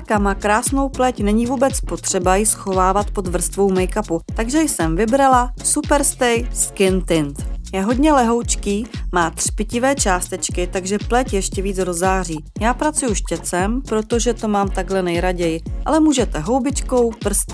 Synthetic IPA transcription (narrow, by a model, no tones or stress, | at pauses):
kamaːkɾaːsno̞wplɛcnɛɲɪvuːbɛt͡spo̞t̪r̝̥ɛbajɪsxo̞vaːvat̪po̞d̪vr̩st̪vo̞wmɛjkaput̪aɡʒɛjsɛmvɪbɾalasupɛɾst̪ɛjskɪnt̪ɪnt̪jɛɦo̞dɲɛlɛɦo̞wt͡ʃkiːmaːt̪r̥pɪcɪvɛːt͡ʃaːst̪ɛt͡ʃkɪt̪aɡʒɛplɛcjɛʃcɛviːt͡sɾo̞zaːr̝iːjaːpɾat͡sujuʃcɛt͡sɛmpɾo̞t̪o̞ʒɛt̪o̞maːmt̪aɡlɛnɛjɾaɟɛjɪʔalɛmuːʒɛt̪ɛɦo̞wbɪt͡ʃko̞wpr̩st̪